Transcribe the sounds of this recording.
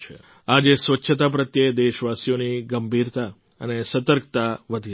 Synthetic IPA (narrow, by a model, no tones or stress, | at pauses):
t͡ʃʰḛ | ad͡ʒesʋətːʃʰət̪ap̬ɾət̪jed̪eʃʋasijoniɡəmbʱiɾt̪a | ənesət̪əɾk̚t̪aʋəd̪ʱi